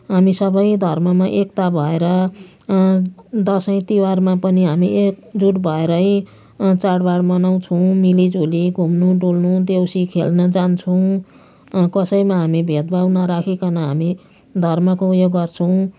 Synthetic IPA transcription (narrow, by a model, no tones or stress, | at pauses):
ɦamisʌbʌjd̪ʱʌrmʌmaʔekt̪abʱʌeɾʌ | d̪ʌsʌj̃t̪iwarmãpʌniɦamiek̚d͡zuʈbʱʌeɾʌj | t͡saɽbaɽmʌnaw̃t͡sʰʌw̃milid͡zuliɡʱumnuɖulnud̪ewsikʰelnʌd͡zant͡sʰʌw̃ | kʌsʌjmaɦamibʱet̪̚bʱawnʌɾakʰekʌnʌɦami | d̪ʱʌrmʌkoujoɡɡʌrt͡sʰʌw̃